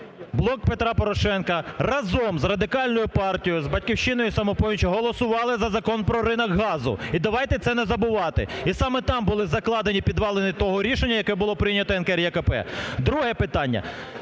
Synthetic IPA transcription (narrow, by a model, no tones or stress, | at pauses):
blˠɔkpet̪ɾɑpɔɾɔʃɛnkɐrɐzɔmzrɐd̪ɪkɑlʲnɔjʊpɑrtʲijʊzbɐt̚ʲkʲiwʃɪnɔjʊsɐmɔpɔʋʲit͡ʃɦɔlˠɔsʊʋɑlˠɪzɐzɐkɔnpɾɔɾɪnɐɡɦɑzʊ̰id̪ɐʋɑjt̪ɛt̪sɛnɛzɐbʊʋɑt̪ɪ̰isɑmɛt̪ɑmbʊlˠɪzɐklˠɑd̪enʲipʲid̪ʋɑlˠenʲɪt̪ɔɦɔɾʲiʃenʲːɐjɐkɛbʊlˠɔpɾɪjnʲɐt̪ɔɛnkɛrjɛkɐpɛ̰d̪ɾuɦɛpɪt̪ɑnʲːɐ̰